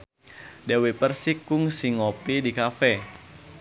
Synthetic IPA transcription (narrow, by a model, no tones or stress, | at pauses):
dɛwipərsikuŋsiŋopidikafɛ